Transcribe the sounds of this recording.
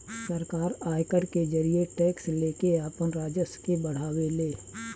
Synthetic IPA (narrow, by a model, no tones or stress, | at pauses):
səɾkaːɾaːjkəɾked͡ʒəɾijeʈɛːksleːkeaːpənɾaːd͡ʒəskebəɽ̤aːweleː